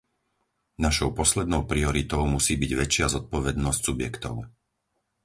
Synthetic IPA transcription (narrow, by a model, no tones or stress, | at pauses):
naʃɔʊpɔslɛd̪nɔʊpɾiɔɾit̪ɔʊmusiːbiɟʋɛt͡ʃɪazɔt̪̚pɔʋɛd̪nɔscsubjɛkt̪ɔ̰ʊ